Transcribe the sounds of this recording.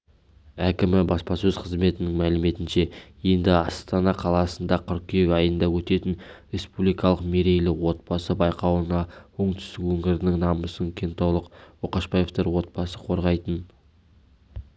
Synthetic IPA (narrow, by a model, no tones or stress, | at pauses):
ækʲɪmɪbɑspɑsɵzqʰəzme̞t̪ɪnɪŋmælɪme̞t̪ɪnʃe̞je̞nd̪ɪɑst̪ɑnɑqʰɑlˠɑsənd̪ɑqʰʏɾ̚kʲʰʏjekʲɑjənd̪ɑwɵt̪e̞t̪ɪnɾe̞spublijkɑlˠəqme̞ɾe̞jlɪwo̞t̪̚b̥ɑsəbɑjqɑwənɑoɴt̪ʏ̥st̪ɪkwɵŋɪɾɪnɪŋnɑməsəŋkʲʰent̪ɑwlˠəqwoqɑʃbɑjeft̪əɾwo̞t̪̚b̥ɑsəqʰo̞ɾʁɑjt̪ən